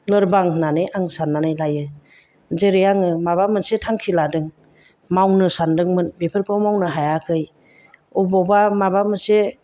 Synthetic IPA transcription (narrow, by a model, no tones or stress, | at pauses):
lɯɾbaŋnanɯjʔaŋsanːanɯjlajɯ | zeɾejaŋɯmaβamɯsetʰaŋkʰiladɯŋ | mawnɯsandɯŋmɯnbepʰɯɾkʰɔwmawnɯɦajakʰɯj | ubɔbamabamɯse